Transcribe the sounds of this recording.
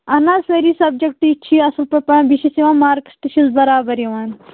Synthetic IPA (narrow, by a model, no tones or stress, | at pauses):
ɐnaːseɾiːsɐb̚d͡ʒɐkʈit͡ʃʰiɐsɐlpɐpɐ̃biʃisiʋãːmaːɾksʈiʃizbɐɾaːbɐɾjiʋaːn